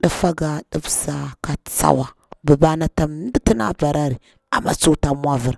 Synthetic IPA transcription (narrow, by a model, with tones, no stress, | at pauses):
ɗə˦fa˦ɡa˨ɗə˦bsa˨ka˨t͡sa̰˦wa˨ | bə˨ba˦na˦ta˦˨m˦di˦ti˦na̰˦ba˨ɾa˦ɾi˨ | a̰˨ma̰˦t͡su˦ta˦mʷ˦a˦və˨ɾ